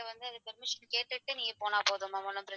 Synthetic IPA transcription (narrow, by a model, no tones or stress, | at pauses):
ɐʋɐnd̪ɯɐðɯpɛɾmɪʂɐnkeːʈːɯʈːɯnĩːŋɡɐpoːnaːpoːðɯmːaːmɔlːɐmpɪɾɐ